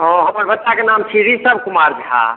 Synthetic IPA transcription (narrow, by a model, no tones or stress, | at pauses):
ɦɔ̃ɦəməɾbʱət̪ːakenamt͡ʃʰiɾisəbʱkumaɾd͡ʒʱɦa̰